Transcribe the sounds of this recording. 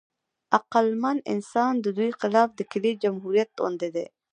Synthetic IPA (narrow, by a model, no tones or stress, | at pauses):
aqalmanɪ̰nsɑnd̪əd̪ujxɪlɑfd̪əkɪled͡ʒamɦuɾijat̪̚o̰nd̪ed̪ḛ